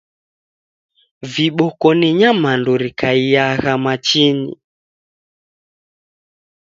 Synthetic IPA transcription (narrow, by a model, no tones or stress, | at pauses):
viɓɔkɔniɲamanduɾikaijaɣamat͡ʃinḭ